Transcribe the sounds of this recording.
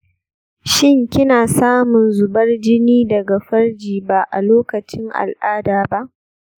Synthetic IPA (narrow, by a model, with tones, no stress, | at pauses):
ʃɪ˦ŋkʲɪ˦naː˨saː˦mʊ˨nzʊ˨bɐ˦rd͡ʒɪ˦niː˦dɐ˨ɡa˨ɸɐ˦rd͡ʒiː˨ba˦˨ʔa̰˨loː˦kɐ˨t͡ʃɪ˦ŋʔa̰˨lʔaː˦daː˨ba˦ʔ